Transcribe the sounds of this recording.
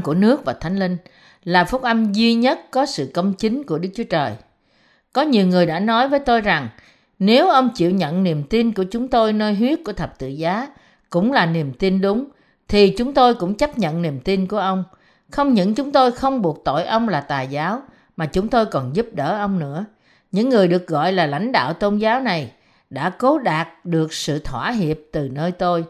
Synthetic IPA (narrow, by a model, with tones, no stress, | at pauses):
ku˧˩ənɨ˦˥ək̚vaː˨˩t̪ʰa˨˦jŋ̟li˧ŋ | laː˨˩fʊ˦˥k̚ʔə˧mzi˧ɲə˦˥t̚kɔ˨˦sɨ̰˧˨kə˧wŋ͡mt͡ɕï˨˦ŋ̟ku˧˩əɗɨ˦˥k̚t͡ɕu˨˦ət͡ɕəː˨˩j | kɔ˨˦ɲi˨˩əwŋɨ˨˩əjɗa̰ː˧˥nɔ˨˦jvəː˨˦jt̪o˧jza˨˩ŋ | ne˨˦wʔə˧wŋ͡mt͡ɕḭ˧˨wɲə̰˧˨nni˨˩əmt̪i˧nku˧˩ət͡ɕʊ˨˦ŋ͡mt̪o˧jnəː˧jɦwi˦˥ət̚ku˧˩ət̪ʰə˨˩p̚t̪ɨ̰˧˨zaː˨˦ | kʊ̰˧˥ŋ͡mlaː˨˩ni˨˩əmt̪i˧nɗʊ˨˦ŋ͡m | t̪ʰi˨˩t͡ɕʊ˨˦ŋ͡mt̪o˧jkʊ̰˧˥ŋ͡mt͡ɕə˦˥p̚ɲə̰˧˨nni˨˩əmt̪i˧nku˧˩əʔə˧wŋ͡m | xə˧wŋ͡mɲɨ̰˧˥nt͡ɕʊ˨˦ŋ͡mt̪o˧jxə˧wŋ͡mɓu˨˩ək̚t̪o̰˧˨jʔə˧wŋ͡mlaː˨˩t̪aː˨˩jzaː˨˦w | maː˨˩t͡ɕʊ˨˦ŋ͡mt̪o˧jkɔ˨˩nzu˦˥p̚ɗəː˧˩ʔə˧wŋ͡mnɨ̰˧˥ə | ɲɨ̰˧˥ŋːɨ˨˩əjɗɨ˨˩ək̚ɣɔ̰˧˨jlaː˨˩la̰˧˥jŋ̟ɗa̰ː˧˨wt̪o˧nzaː˨˦wna˨˩j | ɗa̰ː˧˥ko˨˦ɗaː˨˩t̚ɗɨ˨˩ək̚sɨ̰˧˨t̪ʰwaː˧˩ɦi˨˩əp̚t̪ɨ˨˩nəː˧jt̪o˧j